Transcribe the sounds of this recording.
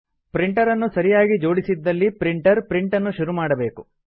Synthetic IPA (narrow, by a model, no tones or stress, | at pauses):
pɾiɳʈɐɾɐnːusɐɾijaːɡid͡ʒo̞ːɽisid̪ːɐlːipɾiɳʈɐɾpɾiɳʈɐnːuʃuɾumaːɽɐbe̞ːku